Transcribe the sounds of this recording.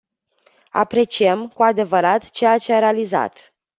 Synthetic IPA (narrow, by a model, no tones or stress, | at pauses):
a̰pɾe̞t͡ʃiəmkuad̪e̞vəɾat̪t͡ʃe̞jat͡ʃe̞aɾealiza̰t̪